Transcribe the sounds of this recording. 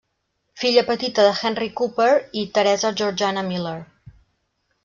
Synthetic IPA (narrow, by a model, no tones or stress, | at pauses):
fiʎəpət̪it̪əðəxɛnrikupəɾit̪əɾɛzəʒuɾd͡ʒanəmileɾ